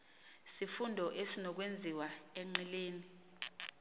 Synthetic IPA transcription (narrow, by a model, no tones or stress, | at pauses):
sifundʱɔʔesinɔk̬wend͡zʱiwaɛŋ͡ǃɛleːni